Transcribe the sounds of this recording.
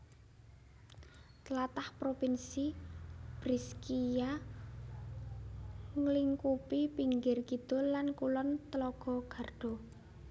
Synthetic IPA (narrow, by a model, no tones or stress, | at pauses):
t̪əlat̪ahpɾopinsib̥ɾiskija | ŋəliŋkupipiŋɡɪrkit̪ʊlankulɔnt̪əlɔɡ̥ɔ̤ɡ̥a̤rɖ̥ɔ̤